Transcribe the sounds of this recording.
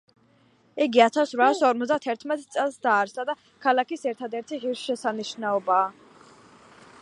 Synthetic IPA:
ɛɡiat̪ʰasɾvaːsɔɾmɔzd̪at̪ʰɛɾt̪ʰmɛt̪ʼt̪sʼɛlˠsd̪aːɾslad̪a | kʰalˠakisɛɾt̪ʰad̪ɛɾt̪ʰiʁiɾʃʃɛsaniʃnaɔbaː

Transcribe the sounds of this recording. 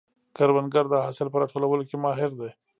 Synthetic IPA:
kaɾbanɡaɾd̪əɦasɪlpəɾɑʈʰolawəlokemɑɦɪɾd̪aj

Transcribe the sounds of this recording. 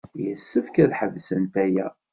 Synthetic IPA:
jəsːəfkæðħəvsənt̪æjæ

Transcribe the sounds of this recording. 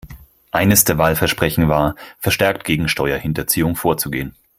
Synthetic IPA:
ʔaɪnəsd̥eːɐvaːlfɛɐʃpʁ̥ɛçn̩vaːɐfɛɐʃtɛɐk̚tɡ̥eːɡŋ̩ʃtɔʏɐhɪntɐt͡siːʊŋfoːɐt͡suɡḛːən

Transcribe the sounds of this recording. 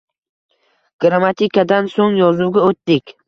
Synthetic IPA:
ɡ̥ɾamat̪ʰikad̪ansoŋjɒzuwɡʲaot̪̚d̪̥ɪkʲ

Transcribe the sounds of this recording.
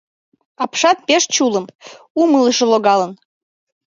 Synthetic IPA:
ɑpʃɑt̪̚peʃt͡ɕuləm | uməlˠəʃə̆loɣɑlən

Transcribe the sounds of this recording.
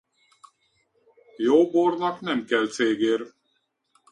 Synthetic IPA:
joːboːɾnɑknɛmkɛlt͡seːɡeɾ

